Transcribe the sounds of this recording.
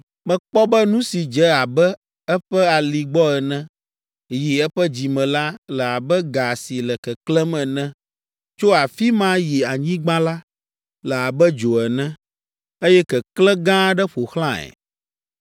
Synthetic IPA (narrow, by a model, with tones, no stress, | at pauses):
mɛ̃˨k͡pɔ˦bɛ˦nũ˦si˨d͡ʒɛ˦a˨bɛ˦ | ɛ˦ɸɛ˦a˨li˨ɡ͡bɔ˦ɛ˨nɛ̃˦ | ji˨ɛ˦ɸɛ˦d͡ʑi˨mɛ̃˨la˦lɛ˨a˨bɛ˦ɡa˨si˨lɛ˨kɛ˨klɛ̃˦mɛ̃˨nɛ̃˦ | t͡ʃo˦a˨fi˦mã˦ji˨a˨ɲĩ˦ɡ͡bã˦la˦ | lɛ˨a˨bɛ˦d͡ʒo˨ɛ˨nɛ̃˦ | e˦jɛ˦kɛ˨klɛ̃˦ɡã˦ɖɛ˦ɸo˨xlã˦ɛ̰˨